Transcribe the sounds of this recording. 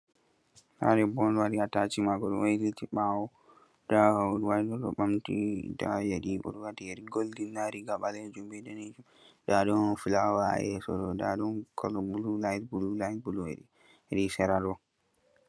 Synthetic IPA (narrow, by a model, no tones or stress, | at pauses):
ha̰ɾɛbɔnwadiatat͡ʃimaɡɔɗɔ̰nwejlitiɓawɔ | d̥ahuɾwadɔɗɔ̰ɓamtḭda̰jeɗiʔṵɾwatiɾiɡoldinːaɾiɡaɓalɛd͡ʒumbɛdɛnɛd͡ʒu | daɗɔnfilawa̰ʔɛ̰sɔ̰ɗɔda̰ɗɔnkʰɔlɔbululajtbululajtbuluwḛɗi | ɾisɛɾadɔ